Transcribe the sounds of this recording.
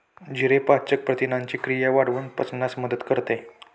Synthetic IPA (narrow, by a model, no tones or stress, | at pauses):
d͡ʑiɾepat͡ɕək̚pɾət̪inaɲt͡ɕikɾijaʋaɽʋunpə̰t͡snasməd̪ət̪kəɾt̪e